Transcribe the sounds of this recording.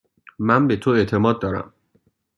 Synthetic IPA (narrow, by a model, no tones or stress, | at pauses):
mæmbe̞t̪ʰoe̞ʔt̪ʰe̞mɒːd̪̚ːɒːɾæ̰m